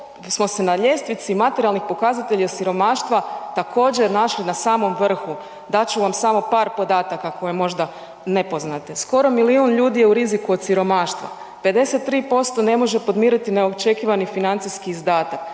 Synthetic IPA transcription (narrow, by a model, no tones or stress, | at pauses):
smo̞se̞naʎe̞st̪ʋit̪simat̪eɾijalˠnixpo̞kazat̪eʎiosiɾo̞maːʃt̪ʋat̪akʰo̞ːd͡ʑeɾnaʃlinasaːmo̞mʋr̩xu | d̪at͡ɕuʋamsamo̞paːɾpo̞d̪aːt̪akako̞jemo̞ʒd̪a | ne̞po̞znat̪esko̞ɾo̞miliunʎuːd̪ije̞uɾizikuo̞d̪siɾo̞maːʃt̪ʋa̰ | pe̞d̪e̞set̪ːɾiːpo̞st̪o̞ne̞mo̞ʒe̞po̞d̪miːɾit̪ineot͡ʃe̞kiʋanifinant̪sijskiːzd̪aːt̪ak